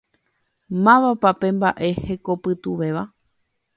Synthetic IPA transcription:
mãʋapapẽ̞mbaʔe̞he̞ko̞pɨt̪uʋe̞ʋa

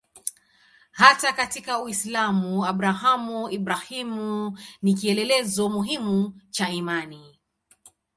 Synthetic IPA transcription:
hatakatikauwislamuaɓɾaɦamuiɓɾahimunik̬iɛlɛlɛzɔmuɦimut͡ʃaimani

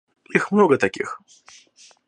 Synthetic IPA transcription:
ixmnoɡɐt̪akʲḭx

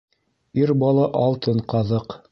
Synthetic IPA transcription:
iɾbɑlˠɑʔɑlˠt̪ɤɴqɑðɤq

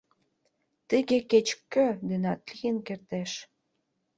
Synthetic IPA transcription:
t̪əɣeket͡ɕkːød̪ynɑt̪lijənkert̪eʃ

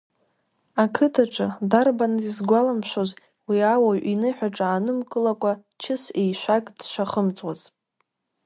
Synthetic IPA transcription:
akʰɨtʰaʈ͡ʂʼɨdarbanɨzizɡʷalamʃʷᶣoz | wiawaɥʔinɨħʷᶣaʈ͡ʂʼaːnɨmkʼɨlakʷʼa | t͡ʃʰɪsejʃʷakʼdʃʷaχəmt͡sʼwaz̥

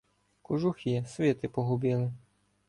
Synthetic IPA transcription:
kʊʒuxʲisʲʋʲɛt̪ɪpɔɦʊbʲilˠɪ

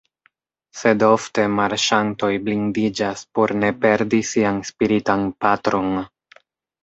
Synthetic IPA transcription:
se̞do̞fte̞maɾʃanto̞jblindid͡ʒaspo̞ɾne̞pe̞ɾdisianspiɾitanpatɾo̞n

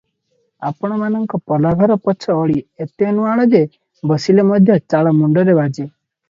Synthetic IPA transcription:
apɔɽ̃ɔmanɔŋkɔpɔlaɡʱɔɾɔpɔt͡ʃʰɔːɭiet̪eɔnuaɭ̃ɔd͡ʒe | bɔsilemɔd̪ʱjɔt͡ʃaɭɔmuɳɖɔɾebad͡ʒe

